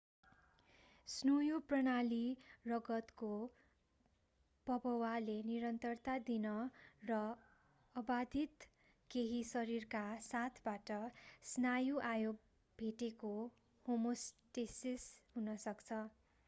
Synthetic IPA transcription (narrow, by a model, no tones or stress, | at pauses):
snujoprʌnalirʌɡʌt̪ko | pʌbʌwaleniɾʌnt̪ʌrt̪ad̪inʌrʌ | ʌbad̪ʱit̪ | keɦisʌɾirkasat̪ʰbaʈʌsnajuʔajoɡ̚ | bʱeʈeko | homosʈesisɦunʌsʌkt͡sʰʌ